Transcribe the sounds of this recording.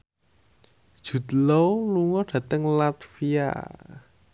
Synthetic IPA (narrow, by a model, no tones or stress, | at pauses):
d̥ʒ̥ṳt̪loluŋɔɖ̥ä̤t̪əŋlat̪fia̰